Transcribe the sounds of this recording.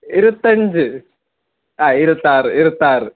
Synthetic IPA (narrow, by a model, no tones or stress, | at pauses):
iɾɐt̪ːɐɲd͡ʑɨ | aːiɾuɐt̪ːaːrɨʔiɾɐt̪ːaːrɨ